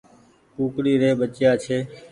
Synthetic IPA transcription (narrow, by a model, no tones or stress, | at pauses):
puːkɽiːɾeːɓət͡ʃjaːt͡ʃʰeː